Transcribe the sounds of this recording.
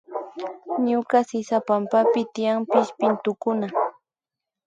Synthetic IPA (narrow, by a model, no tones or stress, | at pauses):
ɲʊkasɪsapampapɪt̪ɪjaŋpɪʃpɪnt̪ʊkʊna